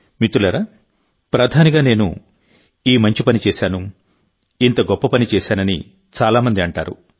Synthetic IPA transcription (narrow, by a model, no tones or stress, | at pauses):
mit̪ːulɐɾaː | pɾɐd̪ʰʱaːniɡaːne̞ːnṵ | iːmɐɲt͡ʃipɐnit͡ʃɛːsaːnu | int̪ɐɡɔpːɐpɐnit͡ʃɛːʃaːnɐni | t͡ʃaːlaːmɐnd̪iɐɳʈa̰ːɾṵ